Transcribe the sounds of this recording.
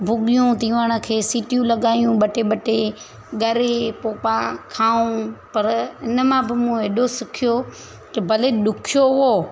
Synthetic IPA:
bʱʊɠɪjũt̪iːʋəɽ̃ə̆kʰeːsiːʈijũlɐɠaːijũɓɐʈeɓɐʈe | ɠɐɾepoːpãkʰaːũpɐɾɪnə̆mãbɪmũeːɗosɪkʰjo | t̪ɐbʱɐleɗʊkʰijoɦoː

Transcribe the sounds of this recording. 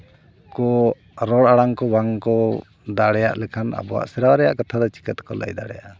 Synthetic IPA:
kɔ | ɾɔɽaɽaŋkɔwaŋkɔ | d̪aɽɛja̰ʔlɛkʰana̰bɔwa̰ʔsɛɾawaɾɛja̰ʔkat̪ʰad̪ɔt͡ʃi̥kət̪kɔla̰jd̪a̰ɽɛjaʔ

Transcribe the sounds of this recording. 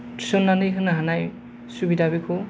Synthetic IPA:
tʰi̥sɔnːanejkʰɯnaɦanaj | subidabikʰɔ

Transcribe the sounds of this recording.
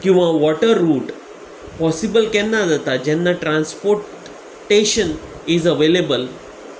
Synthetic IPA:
kĩw̃ʋaʋɔʈəɾːuːʈ | pɔsibəlkɛ̃nːad͡zat̪ad͡ʑɛnːaʈɾãnspoɾʈ | ʈːeɕən | izəʋelebəl

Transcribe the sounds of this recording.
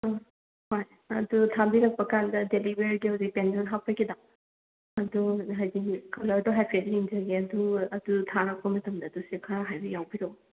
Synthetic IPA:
hoj | ɐdutʰabiɾɐk̚pɐkandɐdelibeɾɡihɐwzik̚pendɔnɦapʰakʰida | ɐduɦajziŋkʰɐlaɐdɔɦajpʰediiŋzɐɡeɐduɐdutʰaɾɐk̚pɐmɐtɐmdɐːdusikʰaɾɐɦajbɐjawbiɾɐw

